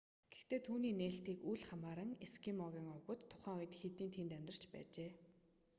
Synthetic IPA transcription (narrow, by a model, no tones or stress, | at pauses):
ɡɡ̥e̥xt̪eːt̪ʰuːniːneːɬt̪iːkujɮχamaːɾə̆ŋeskimɔɣʲiːŋɔpʊ̆t̪ʰːʊχæːŋʊj̆t̪xet̪iːnt̪ʰent̪æmʲt̪rə̆r̥t͡ɕpæ̰ːt͡ɕeː